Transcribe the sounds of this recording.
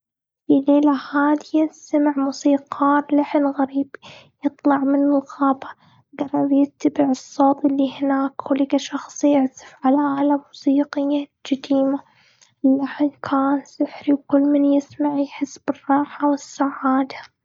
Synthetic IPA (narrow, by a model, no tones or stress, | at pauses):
fileːlahaːd̪jasamaʕmusiːqɑːɾˤlaħɪnɣaɾiːbi | jɨt̪ˤlɑʕmɪnɪlɣɑːbɑ̥ | ɡɑrˤːɑbjɪt̪ːabɪʕɨsˤːoːt̪ˤʔɪlːihɪnaːkhʊlɪkaʃɑxsˤɪʕt̪ɪ̥fʕalaʔalamusiːqɪjːad͡ʒɪd̪iːma | ɪlːaħɪnkʰaːnsɪħɾiwkʊlːmɪnjɪsmaʕjħɪsːb̥ɪrˤːɑːħawɪsːaʕaːd̪ḁ